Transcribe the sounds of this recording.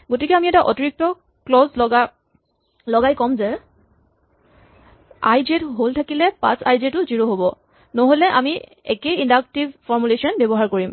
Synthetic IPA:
ɡotikɛamiɛtaʔɔ̰tɔɹik̚tɔ | klɔzlɔɡa | lɔɡajkɔmzɛ | a̰jzetɦoltʰakilɛpã̰sa̰jzetʊziɹoɦobɔ | nɔɦolɛʔa̰mi | ɛ̰keindak̚tibfɔɹmulesɔnbɛbɔɦaɹkoɹim

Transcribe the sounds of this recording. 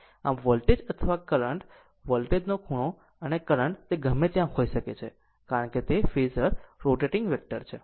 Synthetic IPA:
a̰mʋəlʈed͡ʒət̪ʰəʋakəɾəɳʈ | ʋəlʈed͡ʒnokʰuɽ̃o | ənekəɾəɳʈt̪eɡʱəmet̪jãɦoiʃəket͡ʃʰe | kaɾəɳket̪efizəɾːoʈeʈɪŋɡʋek̚ʈəɾt͡ʃʰe

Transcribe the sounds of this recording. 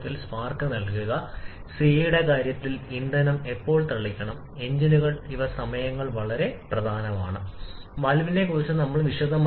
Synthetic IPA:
t̪ːilspaːrkɐnɐlkuɣɐ | seːjiɽekaːɾjɐt̪ːilind̪ɐnɐme̞pːo̞ːɭt̪ɐɭːikʲːɐɳɐm | e̞ɲd͡ʑinuɣɐɭiʋɐsɐmɐjɐŋːɐɭʋɐɭɐɾe̞prɐd̪ʱaːnɐmaːɳɨ | mɐlʋine̞koːt͡ɕːɐnɐmːɐɭʋiʂɐd̪ʱɐm

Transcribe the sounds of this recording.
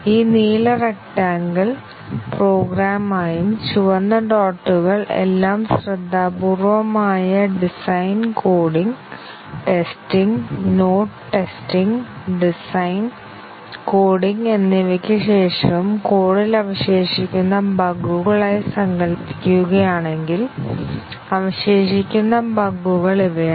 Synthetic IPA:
iːniːlɐrek̚ʈaːŋɡɐɭ | proːɡɾaːmaːjumt͡ɕuʋɐnːɐɖoːʈːuɣɐɭḛlːaːmsrɐd̪ʱːaːpuːrʋɐmaːjɐɖisɐjnkoːɽiŋ | ʈe̞stiŋɡnoːʈʈːe̞stiŋɖisɐjn | ko̞ːɽiŋɡe̞nːiʋɐkʲːɨɕe̞ːʂɐmko̞ːɽilɐʋɐɕe̞ːʂikʲːunːɐbʱɐɡuɣɐɭaːjsɐŋɡɐlpːi̥kʲːuɣɐjaːɳe̞ŋɡil | ɐʋɐɕeːʂikʲːunːɐbʱɐɡːuɣɐɭiʋɐja

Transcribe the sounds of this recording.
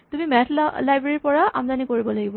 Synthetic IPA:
tumimɛtʰllajbɹeɹipɔɹaa̰mzanikoɹibɔlaɡibɔ

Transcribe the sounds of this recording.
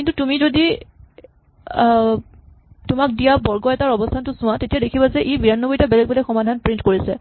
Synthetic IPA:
kintutumizodi | tʊmak̚dijabɔɹɡɔɛtaɹɔbɔstʰantʊsʊ̃atetijadekʰibazɛʔebiɹanːɔboitabɛlɛk̚bɔlɔxɔmadʱanpɹintkoɹisɛ̰

